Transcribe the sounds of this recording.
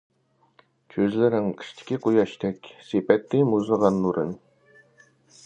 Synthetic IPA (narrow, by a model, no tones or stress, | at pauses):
kʲʰøzlɪɾɪŋkʰʲi̥ʃt̪ʰɪ̥kʲiqʰujɑʃt̪ʰɛkʲsepɛt̪ːɪmuzəʁɑnːuɾɨ̰n